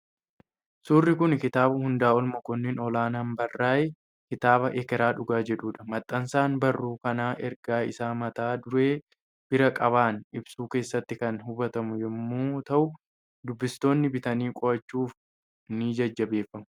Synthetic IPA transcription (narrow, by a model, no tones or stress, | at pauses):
suːrːɪkʊnkɪt̪aːbʊhʊnd̪aːɔlmɐkʊnːɛnɔlaːnaːmbɐrːaːʔe | kɪt̪aːbɐʔɛkɛɾaːᶑʊɡaːd͡ʒɛᶑuːᶑɐ̥mɐt̪ʼːɐnsaːnbɐrːuːkɐnaːʔɛɾɡaːɪ̰saːmɐt̪aːd̪ʊɾe̞ː | b̥ɪɾɐkʼɐβaːnɪbsuːke̞ːsːɐt̪ːɪkɐnɦʊbɐt̪ɐmʊjɛmːuːt̪ɐʔʊ | d̪ʊbːɪst̪o̞ːnːɪbɪt̪ɐniːkʼɔɾɐt͡ʃːuːf | nid͡ʒɐd͡ʒːɐbe̞ːfːɐmʊ